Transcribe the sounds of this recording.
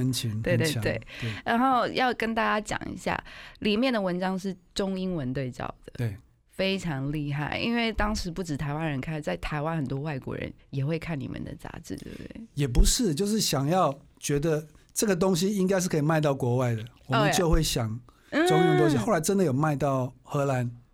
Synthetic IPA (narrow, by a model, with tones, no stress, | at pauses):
ə˧˦nt͡ɕʰi˧˥ŋwe˥˧t̪e˥˧˨t̪wḛ˥˩ɪ˥˩ɻa˧˦nxo˥˩ʊjɑ˥˩ʊkə˥nt̪a˥˩t͡ɕa˥t͡ɕjɑ̰˨˩ŋḭ˧˦ɕja̰˥˩li˨˩mjɛ˥˩nd̪ə˩wə˧˦nʈ͡ʂɑ˥ŋʂɻ̩˥˩ʈ͡ʂʊ˥ŋi˥ŋwə˦nt̪we˥˧ɪt͡sɑ̰˨˩ʊd̪̥ə˩˨˩ | fe˥ɪʈ͡ʂʰɑ˧˥ŋli˥˧xa˥˩ɪḭ˥nwe˥˩ɪt̪ɑ˥ŋʂɻ̩˧˥pu˥˩ʈ͡ʂɻ̩˨˩t̪ʰa˧˥ɪwa˦˥nɻə˧˥nkʰa˥˩nt͡sa˥˩ɪt̪ʰa˧˥ɪwa˦nxə˨˩nt̪wɔ˥wa˥˩ɪkwɔ̰˧˥ɻə̰˧˦njɛ˨˩xwe˥˧ɪkʰa˥˩nnḭ˨˩mʔə̰˨nd̪ə̰˨t͡sa̰˧˥ʈ͡ʂɻ̩˥˩t̪w̰dḛ˥˩jɛ˨˩p̬u˨˦ʂɻ̩˥˩t͡ɕjo˥˧ʊʂɻ̩˥˩ɕjɑ˨˩ŋjɑ˥˨ʊ | t͡ɕɥɛ˧˥d̪ə˧ | ʈ͡ʂɤ˥˩ɡə˩t̪̬o˥ŋɕ̬i˦i˥ŋk̬a˥ɪʂ̬ɻ̩˥˩kʰə˥i˨˩ma˥˧ɪt̪̬ɑ˥˩ʊkwɔ˧˥wa˥˩ɪd̪ə˩wɔ˨mə˨˦nt͡ɕjo˥˧ʊxwe˥˩ɪɕjɑ˨˩ŋ̩˥ | ʈ͡ʂʊ˦ŋi˦ŋwə˨˧t̪o˦ŋɕi˧xo˥˩la˧ɪʈ͡ʂə˦nd̪ə˨jo˨˩ʊma˥˧ɪt̪ɑ˥˩ʊxɤ˧˥la˧˦n